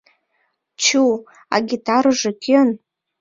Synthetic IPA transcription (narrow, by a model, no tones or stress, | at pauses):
t͡ʃʰu | a̰ɡʲitʰarɨʐakʲʰɪn